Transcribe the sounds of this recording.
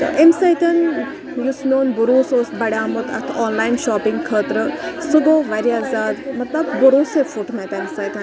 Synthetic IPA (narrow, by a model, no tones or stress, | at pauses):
t̪ɐ̰ʔemsajt̪ɐn | jusnoːnbuɾuːsoːsbɐɽʲjaːmut̪ʰɐ̰t̪ʰoːnlaːjinʃaːpiŋɡkʰəːt̪ɾəsuɡoːʋɐɾijaːzaːd̪mɐt̪lɐbːuɾoːsefuʈmɐt̪emsɐːjt̪ɐn